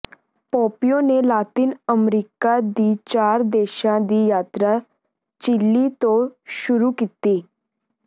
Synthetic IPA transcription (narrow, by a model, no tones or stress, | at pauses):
pɔpijonelat̪iːnəmɾikad̪iːt͡ɕaɾd̪eɕãd̪iːjat̪ɾa | t͡ɕilːit̪oɕuɾukit̪i